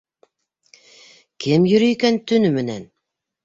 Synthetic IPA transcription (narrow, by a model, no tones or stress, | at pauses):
kʰɘmjɵ̆ɾɵ̆jkænt̪ɵ̆nɵmɘ̆næn